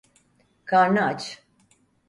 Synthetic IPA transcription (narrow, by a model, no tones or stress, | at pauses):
kʰaɾnaat͡ʃ